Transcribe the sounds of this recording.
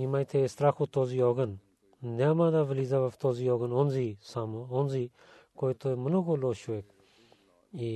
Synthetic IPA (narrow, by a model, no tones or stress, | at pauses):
imaːjt̪ʰeest̪ɾaːkʰut̪oːzioːɡən | naːmãːd̪aːʋəliːzaʋaft̪oːziːoːɡənonziːsaːmonziː | koːit̪oːimənukoloːʃuek̚ | i